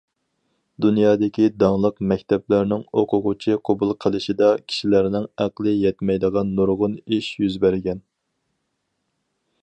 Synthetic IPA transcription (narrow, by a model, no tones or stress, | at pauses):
d̪unjɑːd̪ɪkʲid̪ɑŋlˠəqmɛkʲt̪ɛplæɾnɪŋoqʰʊʁʊt͡ʃʰiqʰobulˠqʰəlˠɪʃid̪ɑkʲʰi̥ʃilæɾnɪŋæqlˠɨjɛt̪mɛjd̪əʁɑnːuɾʁʊniʃjyzbæɾɪɡʲɛn